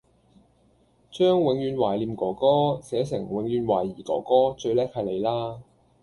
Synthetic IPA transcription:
t͡ʃœː˥ŋwɪ˨˥ŋjyː˨˧nwaː˨˩jliː˨˧mkɔː˨˩kɔː˥sɛː˨˥sɪ˨˩ŋwɪ˨˥ŋɥyː˧nwaː˨˩jːiː˨˩kɔ̰ː˨˩kɔː˥t͡ʃɵ˧ɥlɛː˥k̚hɐ˨jle˨˧jlaː˥

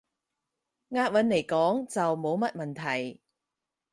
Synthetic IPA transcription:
ŋaː˧t̚wɐ˨˥nle˨˩jkɔː˨˥ŋt͡sɐ˨wmo˨˧wmɐ˥t̚mɐ˨nt̪ʰɐ˨˩j

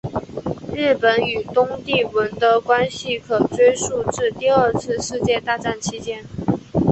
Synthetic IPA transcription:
ɻɻ̩˥˩pə˨˧˥ny˨˩t̪ʊ˥ŋt̪i˥˩wə˧˥nt̪ɤ˧˥kwa˥nɕi˥˩kʰɤ˨˩ʈ͡ʂwe˥ɪʂu˥˧ʈ͡ʂɻ̩˥˧t̪i˥˧ə˞˥˧t͡sʰɹ̩˥˧ʂɻ̩˥˧t͡ɕjɛ˥˧t̪a˥˧ʈ͡ʂa˥˩nt͡ɕʰi˥t͡ɕjɛ˥n

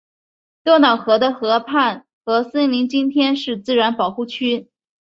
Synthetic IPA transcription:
t̪wɔ˥nɑ˨˩ʊxɤ˧˥d̪ə˧xɤ˧˥pʰa˥˩n | xɤ˧˥sə˥ŋli˧˥ŋt͡ɕi˥nt̪ʰjɛ˥nʂɻ̩˥˧t͡sɹ̩˥˩ɻa˧˥npɑ˨˩ʊxu˥˩t͡ɕʰy˥

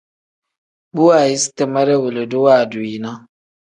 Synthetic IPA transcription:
bu˦a˦˨ji˦ste˦ma˦ɾe˦wu˨le˨du˦wa˦˨du˨i˨na˦

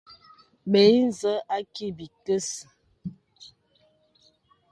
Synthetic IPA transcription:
ɓe˨˦n˨zə˦ʔa˦ki˦bi˨kə˦sə˨

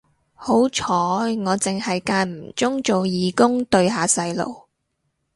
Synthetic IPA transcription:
ho˨˥wt͡ʃʰɔː˨˥ŋɔː˨˧t͡sɪ˨ŋhɐ˨jkaː˧nm̩˨˩t͡ʃʊ˥ŋt͡ʃo˨wjiː˨˧kʊ˥ŋt̪ɵ˧ɥɦaː˨sɐ˧jlo̰˨˩w

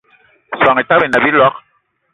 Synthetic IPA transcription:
swa˨ŋe˨ta˦be˨na˨bi˦lwa˦k

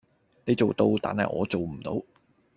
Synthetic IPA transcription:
ne˨˧jt͡so˨wt̪o˧wt̪a̰ː˨nɦɐ̰˨˩jʔɔ̰ː˨˧t͡so˨wm̩˨˩t̪o˨˥w

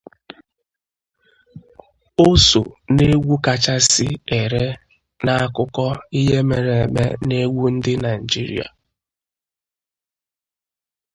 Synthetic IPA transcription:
o˦so̰˨ne˦ɡʷu˦ka˨t͡ʃa˦sɪ˦e˨ɾe˦ | na˨a˦kʊ˦kɔ˦i˦ɦe˦me˨ɾe˨e˨mḛ˦ne˦ɡʷu˦n̩˦dɪ˦na˨i˨d͡ʒi˦ɾḭ˨a̰˨

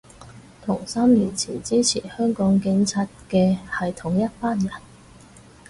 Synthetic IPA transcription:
t̪ʰʊ˨˩ŋsaː˥mliː˨˩nt͡sʰḭː˨˩nt͡siː˥t͡sʰiː˨˩hœː˥ŋkɔː˨˥ŋkɪ˨˧ŋt͡sʰaː˧t̚kɛː˧hɐ˨jt̪ʰʊ˨˩ŋjɐ˥t̚paː˥njɐ˨˩n

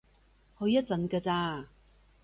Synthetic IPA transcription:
hɵ˨˧ɥjɐ˥t̚t͡sɐ˨˥nkaː˧t͡saː˧

